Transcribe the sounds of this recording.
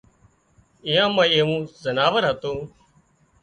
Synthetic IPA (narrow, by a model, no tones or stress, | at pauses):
ɪjãːmãːeːʋũːzənaːʋəɾɦət̪õː